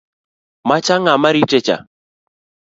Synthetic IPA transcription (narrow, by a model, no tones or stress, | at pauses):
mat͡ʃaŋamaɾitɛt͡ʃa̰